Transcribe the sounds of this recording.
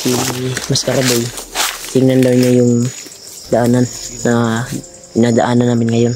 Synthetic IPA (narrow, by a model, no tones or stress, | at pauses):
simɐskaɾabɪjt̪ɪŋnɐnd̪ɐwɲojʊŋ | d̪aʔaːnanːɐ | ɪnaːd̪aʔaːnɐnːaːmɪnŋɐjon